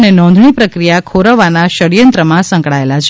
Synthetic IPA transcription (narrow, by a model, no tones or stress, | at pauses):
nenɔ̃nd̪ʱɳipɾəkɾijakʰoɾəʋanaʃəɽijənt̪ɾəmãsə̃ŋkɭaelat͡ʃʰ